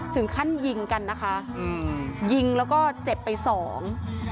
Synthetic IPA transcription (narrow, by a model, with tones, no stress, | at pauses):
t̪ʰɯ˩˦ŋkʰa˥˩nji˧ŋka˧nːa˦˥kʰa˦˥ʔɯː˧ji˧ŋlɛː˦˥wkɔː˥˩t͡ɕe˨˩pːa˧jsɔː˩˦ŋ